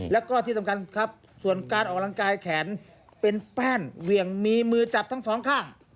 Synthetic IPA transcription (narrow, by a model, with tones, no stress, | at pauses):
lɛ˦˥wkɔː˥˩t̪ʰi˥˩sʰa˧˩ŋka˧nkʰa˦˥p̚ | su˨˩ənkaː˧nʔɔː˨˩k̚la˧ŋkaː˧jkʰɛː˩˦˥n | pe˧npɛː˥˩nwi˨˩əŋmiː˧mɯː˧t͡ɕa˨˩p̚t̪ʰa˦˥ŋsɔː˨˩˦ŋkʰaː˥˩ŋ